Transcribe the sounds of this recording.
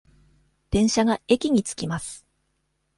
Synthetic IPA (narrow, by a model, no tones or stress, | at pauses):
d̪̥ẽ̞ɰ̃ɕaɡaekʲiɲ̟it͡sɨ̥kʲimasɨ̥